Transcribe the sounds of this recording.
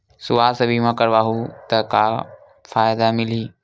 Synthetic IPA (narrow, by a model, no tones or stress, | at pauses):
sʊʋaːsɐbʱimãkəɾʋaːɦut̪ɐka | fʰaːjd̪amɪliː